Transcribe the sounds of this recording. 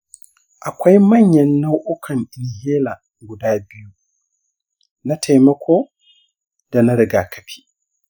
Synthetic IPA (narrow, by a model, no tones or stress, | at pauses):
ʔakʷɔjmaɲːanːawʔɔkʰaniniɦɛːla | ɡudaːbiju | natʰɛjmakʰɔ | d̥anaɾɛɡaːkʰapʰi̥